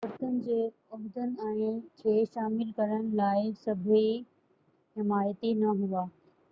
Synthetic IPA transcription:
ʊɾt̪ənɪ̆d͡ʑeː | ʊɦd̪ənɪ̆ɛ̃ːɪt͡ɕʰeːʃaːmɪlkɐɾəɽ̃ɪ̆laːɪsɐbʱi | ɦɪmaːjət̪inɐɦuaː

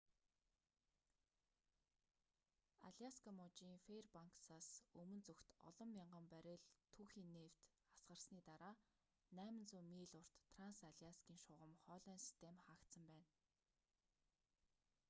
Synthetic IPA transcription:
a̰ɮʲiaskʰamɔt͡ɕiːŋferpaŋksaːsɵmɵ̆nt͡sɵxt̪ɔ̰ɮɞ̆mːʲiɴɢə̆mpæɾʲɪ̆ɮt̪ʰuːxiːnːeːw̥t̪ | asɢə̆rsniːt̪aɾaː | næːmɘ̆nt͡suːmiːɮʊr̥t̪ːʰransaɮiaskʲiːŋʃʊʁə̆mχœːɮœːnsi̥st̪ʰemχaːkt̪sə̆mpæːn

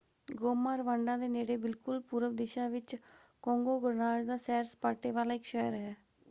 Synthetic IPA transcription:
ɡoːmaːɾʋãːɳɖãːd̪eːneːɽeːbɪlkʊlpuːɾəʋd̪ɪʃãːʋɪt͡ʃ | kɔ̃ːŋɡoːɡʊɾnaːd͡ʒd̪aːsɛːɾspaːʈeːʋaːlaːɪkʃɛjəɾɦɛː

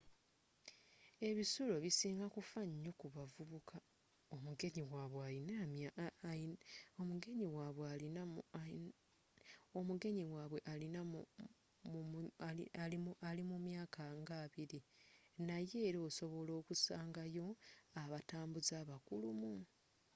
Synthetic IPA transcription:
e̞βisulo̞βisiːŋɡakufaɲːo̞kuβavuβukʰa | o̞muɡe̞ɲiwaːβweainam | omuɡe̞ɲiwaːβwealin | omuɡe̞ɲiwaːβwe̞ʔalina | aalimumjaːkʰaŋɡaːβiɾinaje̞ːɾoso̞βo̞lo̞ːkusaːŋɡajo̞aβataːmbuzaːβakulumu

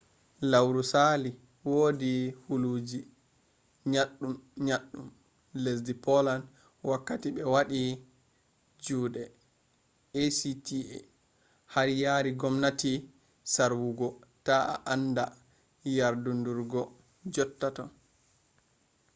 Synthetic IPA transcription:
lawɾusali | woːdihuluːd͡ʒi | ɲaɗːumɲaɗːum | les̬dipɔlan | wakːatiɓɛwaɗi | d͡ʒuːdɛ | esitiɛ̰ | haɾjaɾiɡɔmnati | saɾwuɡɔtaa̰ʔanda | jaɾdunduɾɡɔ | d͡ʒɔtːatɔ

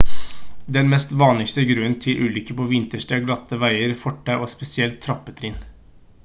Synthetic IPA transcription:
d̪ɛnmɛst̪ʋɑːnlɪkst̪əɡɾʉənt̪ʰɪlʔʉːlʏkəpʰɔʋɪnt̪əʂʈəɡlɑt̪ːəʋæɪəɾfɔʈːəʔospɛsɪɛlt̪ʰːɾɑpːət̪ʰɾiːn

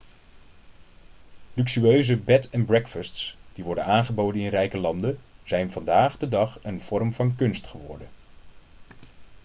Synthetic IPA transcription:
lyksyøɥzəbɛtɛnbrɛkfɑstsd̥iʋɔɹdənaːnχəbowdənɪnrɛjkəlɑndəz̥ɛjnvɑndaːχdədɑχənv̥ɔrmvɑnkɵnstχəʋɔ̰ɹdən

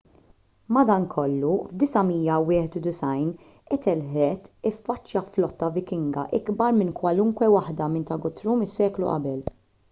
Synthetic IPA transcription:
mɐd̪ɐŋkʰɔlːuvd̪ɪsɐmiːjːɐwɪːħɛt̪ud̪ɪsɐjn | ɛt̪ɛlħɾɛt̪ɪfːɐt͡ʃːjɐflɔt̪ːɐvɪkɪŋɡɐ̰ʔɪɡbɐɾmɪnkwɐlʊŋkwɛwɐħd̪ɐmɪnt̪ɐɡʊt̪ɾuːmɪsːɛːklṵʔɐ̰bɛl

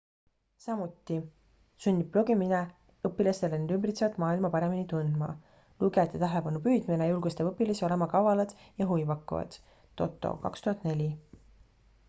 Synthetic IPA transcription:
sɑmut̪ːˑi | sunʲːip̚plo̞ɡimine | ɤpːilɑst̪e̞lened̪ymbrit̪sevɑt̪ˑmɑːilmɑpɑɾe̞minit̪und̪̥mɑ̰ | luɡet̪ːˑet̪æɦelepɑnupyːd̪̥minejulɡ̥ust̪epɤpːilɑso̞le̞mɑkɑvɑlɑd̪̥jɑɦujvɑkːˑṵvɑ̰d̪̥ | t̪ːo̞̰t̪ːˑo̰kɑ̰kst̪uhɑt̪ːˑne̞lʲi

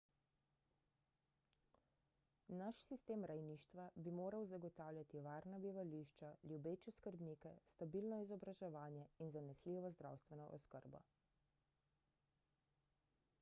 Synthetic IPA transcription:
naʃsist̪eːmɾajniːʃt̪ʋabimoːɾawzaɡɔt̪aːwljat̪iʋaːɾnabiʋaliʃt͡ʃaljubeːt͡ʃɛskəɾbnikɛst̪abiːlnɔizɔbɾaʒɛʋaːnjɛinzanɛsliʋɔzd̪ɾa̰wst̪ʋɛnɔ̰ʔɔskəɾbɔ̰

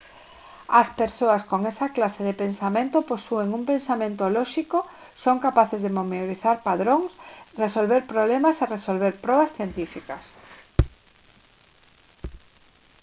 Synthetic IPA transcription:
ɐspeɾsoaskoŋesɐklaseðepensamẽnt̪oposueŋuŋpensamẽnt̪olɔʃiko | soŋkapaθezðemomeoɾiθaɾpaðɾoŋsresolβeɾpɾoβlemaseresolβ̞eɾpɾɔβasθjent̪ifikɐs

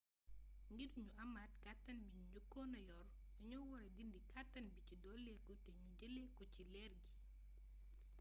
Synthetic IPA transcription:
ŋɡiduɲuʔɐmatkatːɐnbiɲuɲukːɔːnɐjɔr | uɲɔwɔɾɛdindikatːɐnbicidɔlːɛkutɛɲuɟəlɛkɔcilɛrɡi

